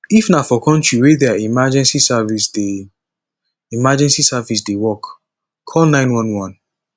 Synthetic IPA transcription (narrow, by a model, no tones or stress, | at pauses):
ifnafɔkʰɔ̃ntɹiwedɛaimad͡ʒɛ̃nsisavisde | imad͡ʒɛ̃nsisavis̬dewɔk | kʰːɔlnãɪ̃nwɔ̃nwɔ̃n